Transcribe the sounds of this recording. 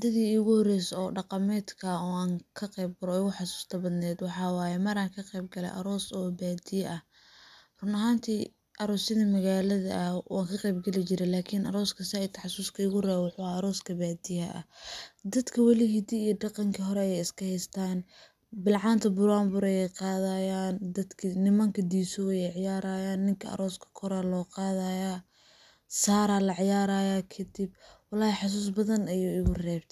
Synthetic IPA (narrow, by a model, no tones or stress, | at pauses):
d̪ɐðiːʊɣʊhɔrɛjsɔːɖɑqɑmɛːd̪kʰɐɔːaːŋkʰɐqɛjb̚ɡʊɾɔɪɣʊħɑsu̥ːst̪ʰɐbɐd̪nɛːd̪wɑħɑːwɑːjɛmɐɾaːŋkʰɐqɛjb̚ɡɐlɛ̰jʔɐ̰ɾɔːsɔːbaːd̪ɪjɐʔɐh | rʊnɐɦaːnt̪ʰiː | ʔɐɾɔːsɪðɐmɐɣaːlɐðɐ̰wa̰ːŋkʰɐqɛjbɡɐlɪt͡ʃɪɾɛlaːkʰinʔɐ̰ɾɔːskʰɐsɪɪt̪ʰɐħɑsuːskʰɐɪɣʊrɛːβwʊħʊaːɐɾɔːskʰɐbaːd̪ɪjɐ̰ɐ̰d̪ɐd̪kʰɐwɑlɪɦid̪iːjɖɑqɑŋkʰɐɦɔɾɛjɛjɪskʰɐhɛjst̪ʰaːn | bɪlʕɑːnt̪ʰɐbʊɾaːmbʊɾɐjɛjqɑːðajaːnd̪ɐd̪kʰinɪmɐŋkʰɐd̪iːsʊɛjɛjʕɪjaːɾaːjaːnːɪŋkʰɐɐ̰ɾɔːskʰɐ̥kʰɔɾalɔːqɑːðaja | saːɾalɐʕɪjaːɾaːjaːkʰɐd̪ɪbwɑlːɑːjɛħɑs̬uːs̬bɐðɐnɐjuːɪɣʊrɛːbt̪ʰ